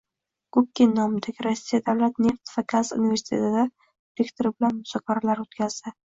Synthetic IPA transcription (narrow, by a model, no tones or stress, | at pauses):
ɡ̥ʊp̚kʲːinːɒmɪd̪aɡʲɪɾɒsːijad̪awlat̪ne̞ft̪v̥aɡazṵnive̞ɾsi̥t̪ʰe̞̰t̪ʰɪd̪a | d̪ɾekt̪oɾɪbɪlanmʊzɒkʰaɾalaɾot̪kʲʰazd̪ɪ